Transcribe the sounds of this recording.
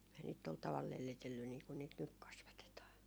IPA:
ei niːt tol tɑʋɑl lelːitelːy niː kun niːt nyk kɑsʋɑtetɑː

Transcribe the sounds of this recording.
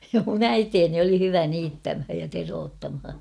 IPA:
mun æiteːni oli hyʋæ niːtːæmhæj jɑ teroːtːɑmhɑ

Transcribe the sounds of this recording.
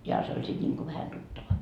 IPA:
johɑ se olʲ sit nʲiŋko ʋæhæ tutːɑʋɑ

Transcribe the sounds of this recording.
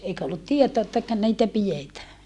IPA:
eikæ olːut tietoɑ etːækø niːtæ pijetæː

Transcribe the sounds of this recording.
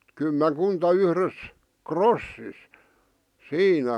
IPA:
kymːeŋkuntɑ yhres krosːis siːnæ

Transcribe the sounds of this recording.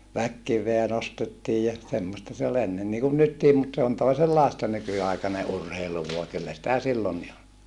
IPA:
ʋækːiʋˑeæ nostetːiːj jɑ semːostɑ se ol enːen niːkun nytːiːm mut se on toiselːɑˑestɑ nykyɑikɑne ʔurheilu ʋuɑ kylːæ sĭtæ silːonːi ol

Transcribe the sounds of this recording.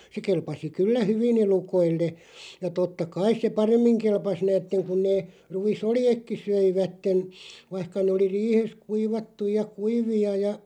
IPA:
se kelpɑsi kylːæ hyʋin elukoilːe jɑ totːɑ kɑis se pɑremːiŋ kelpɑs næːtːeŋ kun neː ruisoljekːi søiʋætːen ʋɑĭhkɑ neː oli riːhes kuiʋɑtːuj̆ jɑ kuiʋiɑ jɑ

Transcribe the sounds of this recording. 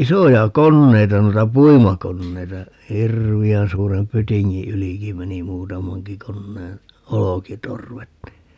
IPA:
isojɑ konːeitɑ noitɑ puimɑkonːeitɑ hirʋiæn suːrem pytiŋːi yliki meni muːtɑmɑŋki konːeːn olokitorʋet ni

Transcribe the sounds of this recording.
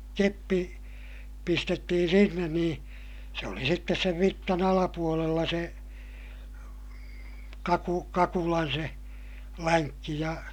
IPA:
kepːi pistetːihin̞ sinːen niː se oli sitːes seʋ ʋitːɑn ɑlɑpuolelːɑ se kɑku kɑkulɑn se læŋkːi jɑ

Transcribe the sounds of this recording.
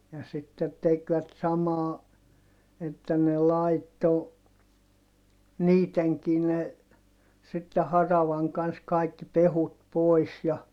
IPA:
jɑ sitːe tekʋæt sɑmɑː etːæ ne lɑitːo niːteŋki ne sitːe hɑrɑʋɑŋ kɑns kɑikːi pehut pois jɑ

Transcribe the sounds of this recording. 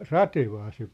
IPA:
rɑteʋɑː se

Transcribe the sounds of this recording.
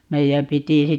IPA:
meijæm piti

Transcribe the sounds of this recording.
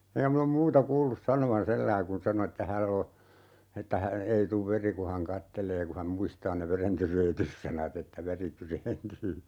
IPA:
eŋkæ min om muːtɑ kuːlːus sɑnoʋɑn selːæi kun sɑno etːæ hælː o etːæ hæ ei tuʋ ʋeri ku hɑn kɑtːeleː ku hæm muistɑː ne ʋerentyreːtysːɑnɑt etːæ ʋeri tyreːntyː

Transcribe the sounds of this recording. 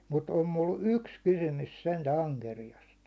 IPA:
mut om mul yks kysymys sentæ ɑŋkerijɑst

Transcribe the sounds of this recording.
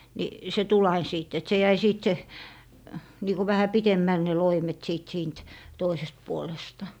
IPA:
ni se tul ɑin siˑt et se jæi siːt se niːku ʋæhæ pitemːæl ne loimet siˑt siːnt toisest puolestɑ

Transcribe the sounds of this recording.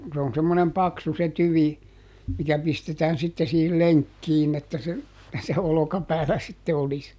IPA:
se on semːonem pɑksu se tyʋi mikæ pistetæːn sitːe siːhil leŋkːiːn etːæ se se olokɑpæːlæ sitːe olis

